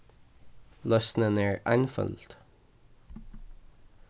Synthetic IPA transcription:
lœsn̩ənæːɹʔæ̰ɪnfœ̰lt̪

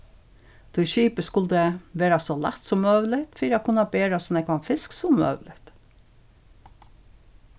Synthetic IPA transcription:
d̪̥ʰɔʃiːpəskʊld̪əʋeːɾɑsoːlɛ̰t̪sɔmːœʋlɪt̪fiɾɑkʰʊnːɑbeːɾɑsɔnɛkʋɑnfɪsksɔmœ̰ʉlɪt̪

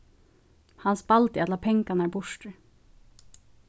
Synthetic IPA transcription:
hɑnsbɑlt̪ɪɛt̪lɑːpʰɛŋkɑnæːbʊʃʈə

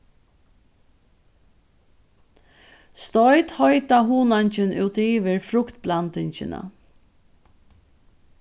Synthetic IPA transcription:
st̪ɔʏt̪hɔʏt̪aɦuːnant͡ʃɪnʉːt̪iːʋɪɹfɾʊkt̪̚blant̪ɪɲt͡ʃɪ̰na̰

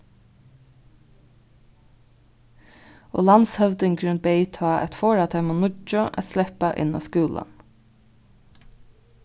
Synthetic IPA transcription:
o̰ːlɑnshœʋd̪ɪŋɡɾʏnbɛɪt̪ʰɑːʔæ̰t̪foːɹɑt̪ʰɛmʊnʊt͡ʃʊʔæ̰t̪slɛpaʔɪ̰nɔ̰ːskuːlʔə̰n

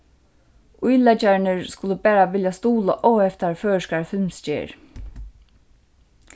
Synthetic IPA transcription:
ʊjlɛt͡ʃaɹnəɹskʊləpæːɾaʋɪljast̪uːlə̰ʔɔwɛft̪aɹføːʃkaɹfɪlmst͡ʃḛːɹ

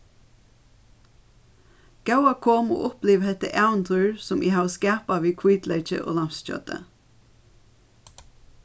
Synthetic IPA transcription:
ɡ̥ɑʊɑkʰoːmo̰ːʔɔpliːʋhɛt̪əʔɑʉnt̪ʰʉːɹsɔmʔiːhɑːskæːpɑʋiːkʰwiːd̪lɛɪt͡ʃə̰ʔo̰ːlɑmsc͡çœ̰t̪ə̰

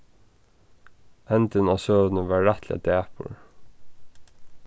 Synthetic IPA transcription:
ɛnt̪ɪnaːsøːʋənəʋɑːɹːɛt̪ʰlɪ̰a̰d̪æːpʊ̰ɹ

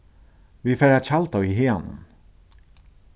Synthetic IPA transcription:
vifɛːɾat͡ɕʰalt̪awiɦeːanʊ̰n

